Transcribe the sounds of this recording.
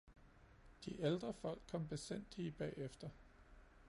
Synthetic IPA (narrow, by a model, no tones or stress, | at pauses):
d̥iʔeld̥ʁɐfɒ̽l̰ɡ̥̚kʰɒ̽m̰b̥e̝sen̰d̥lib̥ɛ̰ːefd̥ɐ